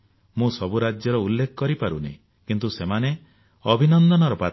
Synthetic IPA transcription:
mũsɔbuɾad͡ʒjɔɾɔulːekʰɔ̥kɔɾipaɾṵnḛĩ | kint̪usemane | ɔbʱinɔnd̪ɔnɔɾɔpa

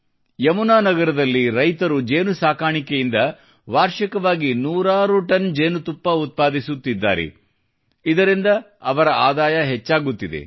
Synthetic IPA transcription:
jɐmunaːnɐɡɐɾɐd̪ɐlːiɾɐjt̪ɐɾud͡ʒe̞ːnusaːkaːɳikejind̪ɐ | ʋaːɾʃɐkɐʋaːɡinuːɾaːɾuʈɐnd͡ʒeːnut̪upːɐut̪̚paːd̪isut̪ːid̪ːa̰ːɾḛ | id̪ɐɾind̪ɐ | ɐʋɐɾɐaːd̪aːjɐɦɛt͡ʃːaːɡut̪ːid̪ḛ

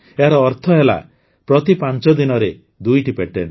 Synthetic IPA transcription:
eɦaɾɔːɾt̪ʰɔɦela̰ | pɾɔt̪ipant͡ʃɔd̪inɔɾe | d̪ujʈipeʈḛn

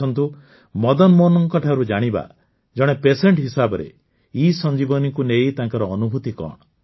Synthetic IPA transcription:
ɔnt̪u | mɔd̪ɔnmɔnɔŋkɔʈʰaɾud͡ʒaɽ̃iba̰ | d͡ʒɔɽ̃epeseɳʈɦisabɔɾḛ | isɔnd͡ʒibɔnikunejt̪aŋkɔɾɔːnubʱut̪ikɔ̰ɽ̃ɔ

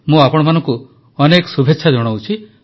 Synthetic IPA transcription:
mũapɔɽ̃manɔ̃ŋku | ɔnekɔ̥subʱetːʃʰad͡ʒɔɽ̃awt͡ʃʰi

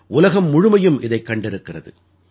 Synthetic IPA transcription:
ʔʊlɐɣɐmːʊɻʊmɐjɯmʔɪðɐɪkːɐɳɖɪɾɯkːɪrɐðɯ̰

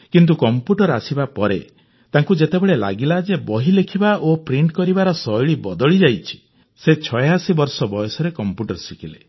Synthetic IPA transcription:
kint̪ukɔmpjuʈɔɾasibapɔɾḛ | t̪aŋkud͡ʒet̪ebeɭela̰ɡilad͡ʒebɔɦilekʰibaʔopɾiɳʈkɔɾibaɾɔsɔjɭibɔd̪ɔɭid͡ʒajt͡ʃʰi̥ | set͡ʃʰɔjasibɔɾsɔbɔjɔsɔɾekɔmpjuʈɔɾsikʰile

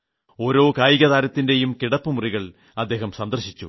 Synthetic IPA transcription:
o̞ːɾo̞ːkaːjiɣɐðaːɾɐt̪ːinde̞jumkiɽɐpːɨmuriɣɐɭ | ɐd̪ːe̞ːɦɐmsɐnd̪ɐrɕit͡ɕːṵ

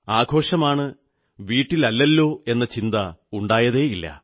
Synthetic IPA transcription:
aːɡʱo̞ːʂɐmaːɳɨ | ʋiːʈːilɐlːɐlːo̞ːe̞nːɐt͡ɕind̪ɐuɳɖaːjɐðe̞ːjilːɐ̰

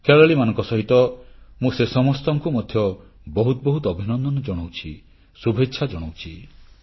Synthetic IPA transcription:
keɭɔɭimanɔ̃ŋkɔsɔɦit̪ɔmũsesɔmɔst̪ɔŋkumɔd̪ʱjɔ | bɔɦut̪ɔbɔɦut̪ɔbʱinɔnd̪ɔnɔd͡ʒɔɽ̃owt͡ʃʰi | subʱetːʃʰad͡ʒɔɽ̃owt͡ʃʰi

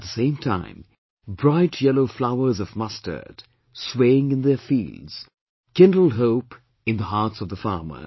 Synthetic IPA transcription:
t̪̚ðəsẽɪ̃mtʰã̰ɪ̃m | bɹaɪtʰjɛloʊflaʊə˞zʌvmʌstʰə̰˞d̥ | sweɪɪ̃ŋɨ̃nðə˞fḭlˠdz̥ | kɪ̃ndl̩ˠɦoʊp | ɨ̃nðəɦɑɹtsʌvðəfɑ̰ɹmə̰˞

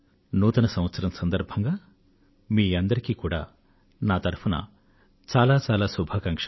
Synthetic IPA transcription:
nuːt̪ɐnɐsɐmʋɐt̪sɐɾɐmsɐnd̪ɐɾbʱɐŋɡaː | miːɐnd̪ɐɾikiːkuːɽa̰ː | naːt̪ɐɾpʰunɐ̰ | t͡ʃaːlaːt͡ʃaːlaːsubʱaːkɐŋkʂ

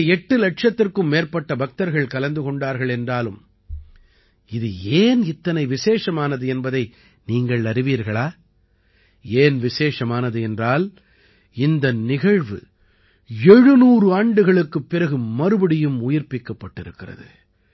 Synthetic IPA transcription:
ɛʈːɯlɐʈ̚ʂɐt̪ːɪrkɯmːeːrpɐʈːɐbɐk̚t̪ɐɾɣɐɭkɐlɐnd̪ɯkɔɳɖaːɾɣɐɭɛndraːlɯm | ɪðɯeːnɪt̪ːɐnɐɪʋɪseːʂɐmaːnɐðɯɛnbɐðɐɪ | niːŋɡɐɭɐɾɪʋiːɾɣɐɭaː | eːnʋɪseːʂɐmaːnɐðɯɛndraːl | ɪnd̪ɐnɪɣɐɻʋɯ̰ | ɛɻɯnuːɾɯaːɳɖɯɣɐɭɯkːɯpːɪrɐɣɯmɐɾɯbɐɽɪjɯmʊjɪɾpɪkːɐpːɐʈːɪɾɯkːɪrɐ̰ðɯ̰

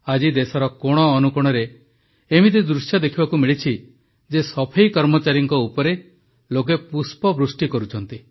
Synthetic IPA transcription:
ad͡ʒid̪esɔɾɔkoɽ̃ɔːnukuɽ̃ɔɾe | emit̪̬id̪ɾusjɔd̪ekʰibakumiɭit͡ʃʰi | d͡ʒesɔpʰejkɔɾmɔt͡ʃaɾjiŋkɔupɔɾe | lok̬epuspɔbɾusʈikɔɾut͡ʃʰɔnt̪i

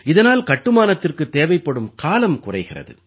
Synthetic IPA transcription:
ɪðɐnaːlkɐʈːɯmaːnɐt̪ːɪrkɯt̪ːeːʋɐɪpːɐɽɯmkaːlɐmkʊrɐɪɣɪrɐ̰ðɯ̰

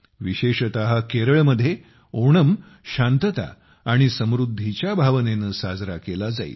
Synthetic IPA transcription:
ʋiɕeɕət̪aɦakeɾəɭməd̪ʱje | oɽ̃əm | ɕant̪ət̪a̰ː | ɽ̃isəmɾud̪ʱːit͡ɕjabʱaʋnenəsad͡zɾakelad͡za̰ḭ

